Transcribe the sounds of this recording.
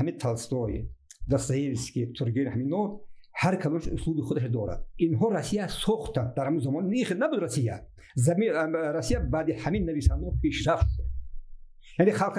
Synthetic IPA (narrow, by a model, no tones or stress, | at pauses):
hamit̪ʰalst̪ɔjd̪ast̪aelskit̪ʰuɾɡnihaminɔd̪ | haɾkʰad̪ɔnaʃuslubiχud̪aʃad̪ɔɾa̰d̪̚inɦɔɾasijasɔχt̪ʰand̪̚d̪aɾhamuzamɔnːiχnabud̪ɾasija | zamiɾasijabad̪ihaminːavisand̪apʰeʃɾafʃud̪̚ | janiχalq